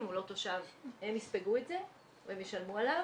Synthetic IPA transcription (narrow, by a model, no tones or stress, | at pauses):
mulo̞t̪oʃavhemispeɡuetze̞ | veemjeʃalmualav